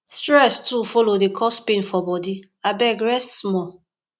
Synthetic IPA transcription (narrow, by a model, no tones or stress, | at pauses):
stɹɛstufolodekʰɔspẽnfɔbɔdi | abɛɡɹɛstsmɔ